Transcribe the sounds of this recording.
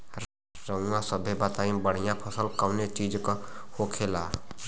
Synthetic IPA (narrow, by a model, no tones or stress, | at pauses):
ɾ | ɾəãsəbʱebat̪aːĩbəɽ̤ijãpʰəsəlkəʋnet͡ʃiːd͡ʒkhokʰeːlaː